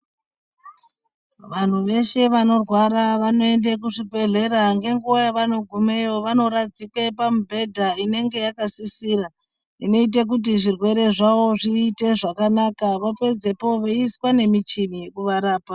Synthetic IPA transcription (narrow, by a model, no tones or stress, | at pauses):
ʋan̤uʋe̞ʃe̞ʋano̞rwaɾaʋano̞e̞ndek̬uʐibʱe̞ɮe̞ɾaŋɡe̞ŋɡuajaʋano̞ɡʱume̞jo̞ʋano̞ɾad͡zikwapamubʱe̞dʱaine̞ŋɡe̞jakasisiːɾa | ino̞it̬ek̬ut̬iʐirwe̞ɾe̞ʐawo̞ʐiːte̞ʐakanakaʋope̞d͡ze̞po̞ʋeiswane̞mit͡ʃinije̞kuʋaɾaːpa